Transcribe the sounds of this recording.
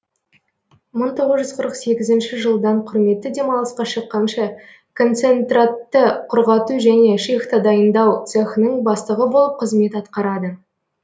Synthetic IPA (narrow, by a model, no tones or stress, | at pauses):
məɴt̪ʰo̞ʁəzʒʏzqʰəɾəqse̞ɡʲɪzɪnʃɪʒəlˠd̪ɑɴqʰʊɾme̞t̪ːɪd̪e̞mɑlˠəsqɑʃəqːɑnʃɑ | kʰo̞nt̪se̞nt̪rat̪ːəqʰʊɾʁɑt̪uʒæne̞ʃext̪ad̪ɑjənd̪ɑwt̪sexnəɴbɑst̪əʁəbo̞lˠəp̚qʰəzme̞t̪ɑt̪qɑɾɑd̪ə